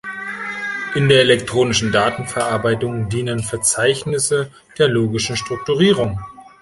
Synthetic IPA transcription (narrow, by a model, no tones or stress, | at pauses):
ʔɪndeːɐelɛktʁ̥oːnɪʃn̩daːtn̩fɛɐʔaɐbaɪtʊŋdiːnənfɛɐt͡saɪçnɪsə | d̥eːɐloːɡɪʃn̩ʃtʁ̥ʊk̚tuʁiːʁʊŋ